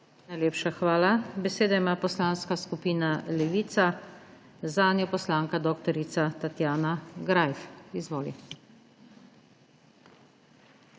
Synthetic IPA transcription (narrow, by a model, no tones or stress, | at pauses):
najleːpʃaxʋaːlabɛseːd̪aimaːpɔslaːnskaskupiːnalɛʋiːt̪sa | zaːnjɔpɔslaːŋkad̪ɔːkt̪ɔɾit̪sat̪at̪jaːnaɡɾajfizʋoːlḭ